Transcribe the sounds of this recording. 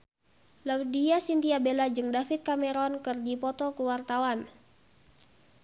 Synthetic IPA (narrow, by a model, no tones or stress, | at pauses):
lawdiasint̪iabelad͡ʒɨŋdafit̪̚kamɛɾɔnkɨrd͡ʒipɔt̪ɔkuwart̪awan